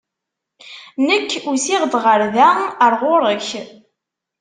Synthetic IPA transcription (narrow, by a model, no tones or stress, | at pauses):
nəkːusɪʁd̪ʁəɾðæəɾˤʁʊɾˤəç